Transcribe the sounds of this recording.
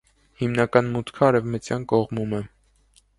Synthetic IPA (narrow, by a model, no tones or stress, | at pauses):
himnɑkɑnmut̪ʰkʰəɑɾɛvmət͡sjɑnkɔʁmumɛ